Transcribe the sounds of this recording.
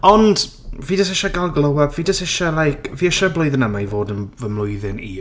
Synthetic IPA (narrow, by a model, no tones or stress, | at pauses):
ɔnd | viːdəsɪʃaɡalˠɡlˠəwaviːdəsɪʃalˠajkʰviɛʃɔblˠʊɨðənəmajvoːdənvəmlˠʊjðɪni